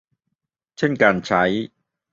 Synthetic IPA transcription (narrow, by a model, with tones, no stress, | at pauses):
t͡ɕʰə˥˩nkaː˧˩nt͡ɕʰa˨˥j